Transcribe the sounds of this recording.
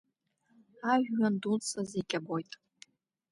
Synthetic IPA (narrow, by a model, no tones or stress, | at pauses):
aʒᶣːandut͡sʰʼazikʲʼabojtʼ